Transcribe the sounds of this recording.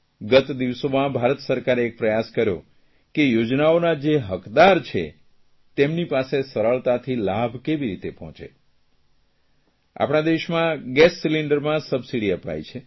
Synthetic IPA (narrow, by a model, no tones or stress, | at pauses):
ɡət̪d̪iʋsomãbʱaɾət̪səɾkaɾeːk̚pɾəjaskəɾjo̰ | kejod͡ʒnaonad͡ʒeɦəkd̪aɾt͡ʃʰḛ | t̪emnipasesəɾəɭt̪at̪ʰilabʱkeʋiɾit̪epɔɦɔ̃t͡ʃḛ | a̰pɽ̃ad̪eʃmãɡɛsːiliɳɖəɾmãsəbsiɽiəpa̰jt͡ʃʰe